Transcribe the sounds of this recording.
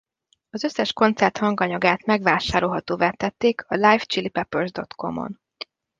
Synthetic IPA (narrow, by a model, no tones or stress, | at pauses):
ɒzøsːɛʃko̞nt̪sɛrt̪hɒŋɡɒɲɒɡaːt̪mɛɡʋaːʃaːɾo̞lɦɒt̪oːvɛt̪ːɛt̪ːeːkʰɒlajft͡ʃilipɛpørzd̪o̞t̪ko̞̰mo̰n